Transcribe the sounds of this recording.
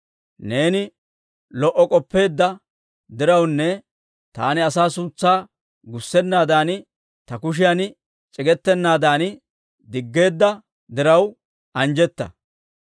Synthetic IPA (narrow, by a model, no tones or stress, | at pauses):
ne̞ːnɪ | lɔʔːɔkʼɔpːe̞ːd̪ːɐ | d̪ɪɾɐwnːɛ | t̪a̰ːnɪɐsaːsuːt͡sːaː | ɡʊsːɛnːaːd̪aːn | t̪ɐkʊʃ̬ɪjan | t͡ʃʼɪɡɛt̪ːɛnːaːd̪aːn | d̪ɪɡːe̞ːd̪ːɐ | d̪ɪɾɐw | ʔɐnd͡ʒɛt̪ːɐ̰